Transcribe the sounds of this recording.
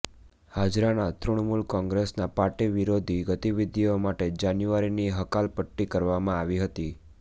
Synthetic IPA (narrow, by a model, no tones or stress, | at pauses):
had͡ʒɾanat̪ɾuɳmulkɔ̃ŋɡɾesnapaɾʈiʋiɾod̪ʱiɡət̪iʋid̪ʱiomaʈed͡ʒanjuʋaɾiniɦəkalpəʈːikəɾʋamãaʋiɦət̪i